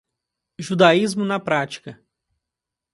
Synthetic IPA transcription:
ʒud̪aizmʊnɐpɾat͡ʃi̥kɐ

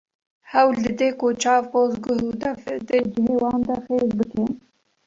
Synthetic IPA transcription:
hɛwlɨd̪eːkot͡ʃʰɑːvpoːzɡʊɦud̪ɛfd̪ɨd͡ʒɪɦeːwɑːnd̪ɐxeːzbɨke

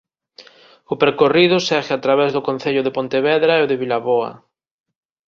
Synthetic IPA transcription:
ʊpeɾkoriðʊsɛɣɪat̪ɾaβɛzðʊkon̟θeʎʊðɪpont̪eβɛðɾaɛoðɪβilaβoɐ̰

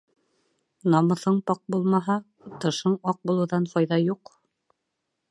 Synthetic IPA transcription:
nɑmɤ̆θɤɴpɑq̚bulˠmɑɦɑ | t̪ɤ̆ʃɤɴɑq̚bulˠɤ̆ðɑnfɑjðɑjuq

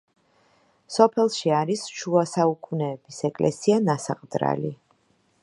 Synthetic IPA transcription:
sɔpʰɛlˠʃiaɾisʃuasaukʰunɛːb̥isɛkʼlʔɛ̰sianasaqʼd̪ɾa̰li

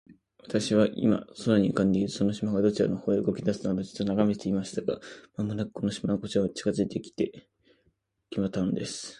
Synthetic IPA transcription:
βat̪aɕiβaʔḭma̰soɾaɲ̟ikãnd̪eizɨ̥so̞no̞ɕimaɡad̪o̞t͡ɕiɾa̰nohoːeɯɡo̞kʲid̪asɨ̥t̪nad̪ot͡ɕɨ̥t̪ːonaɡame̞t̪e̞imaɕi̥t̪aɡa̰mamonakɯ̥kʰo̞no̞ɕi̥mankot͡ɕiɾaβat͡ɕi̥kazɨit̪e̞kʲi̥t̪e̞ | kʲimat̪ːaɯ̃nd̪e̞sɨ̥

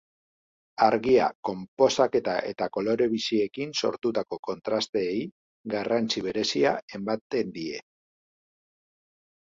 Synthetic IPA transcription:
aɾɣia̰ko̞mpo̞sake̞t̪aʔe̞̰t̪ako̞lo̞ɾe̞βisie̞kinso̞̰ɾt̪ut̪ako̞ko̞nt̪ɾast̪e̞ːj | ɡarant͡siβ̞e̞ɾe̞siae̞mbat̪e̞nd̪ie̞̰

